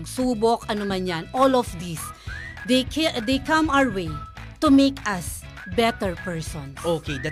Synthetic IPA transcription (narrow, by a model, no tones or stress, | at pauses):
ɡ̚suːbokɐnʊmɐnjanolɔfd̪isd̪ed̪ejkɐ̃mawəɹwejt̪ʊmejkɐs | bɛt̪ɛɹpɛɹsɔ̃nsoked̪ɐ